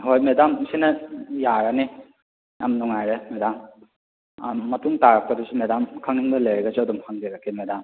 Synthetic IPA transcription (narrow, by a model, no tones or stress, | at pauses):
ɦojmedamsinɐjaɾani | jamnɔŋajɾemedam | ɐtuŋtaɾak̚pɐdusumedamkʰaŋinbɐlɐjɾeɡɐsuɐdumhaŋzeɾakimedam